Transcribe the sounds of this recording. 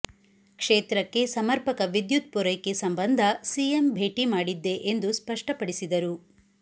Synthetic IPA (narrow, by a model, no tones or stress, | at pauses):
kʂeːt̪ɾɐkːe̞sɐmɐɾpɐkɐʋid̪jut̪̚puɾɐjkːesɐmbɐnd̪ʱɐsijembʱe̞ːʈimaːɽid̪ːe̞ʔend̪uspɐʂʈɐpɐɽisid̪ɐɾu